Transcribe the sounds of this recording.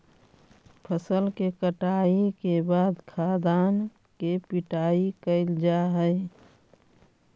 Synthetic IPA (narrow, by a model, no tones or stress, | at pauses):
pʰəsəlkekəʈaːikebaːd̪kʰaːd̪aːn | kepɪʈaːikəɪld͡ʒaɦəɪ